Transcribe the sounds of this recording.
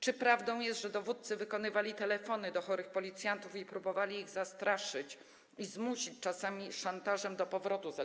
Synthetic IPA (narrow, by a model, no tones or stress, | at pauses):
t͡ʂɘpɾavd̪ɔ̃w̃jɛst̪ʐɛd̪ɔvut̪̚sɘvɘkɔnɘvalʲit̪ɛlɛfɔnɘd̪ɔxɔɾɘxpɔlʲit̪sjant̪ufipɾubɔvalʲiːɣzast̪ɾʔaʂɘt͡ɕ | izmuɕit͡ɕt͡ʂasamʲiʂant̪aʐɛmd̪ɔpɔvɾɔt̪uza